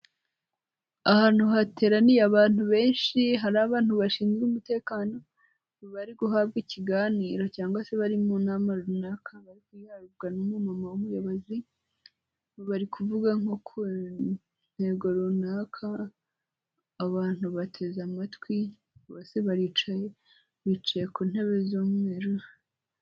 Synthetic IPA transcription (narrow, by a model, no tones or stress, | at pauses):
ahaːn̥huɦate̞ːɾanijaβaːn̥huβe̞ːnʃiɦaɾaːβaːn̥huβaʃiːnzɡumute̞ːkaːno̞ | βaɾiɡuɦaːβɡiciɡaːniːɾo̞caːŋɡwase̞βaɾimunamaɾunakʰaβaɾikujaɾubɡanumumamawumujoβozi | βaɾikʰuvuɡaŋokʰu | n̥he̞ɡoɾunakʰa | βaːn̥huβatʰe̞zamatwi | ɡoseβaɾit͡ʃaje | βit͡ʃajekuːn̥he̞βe̞zoːmwe̞ːɾo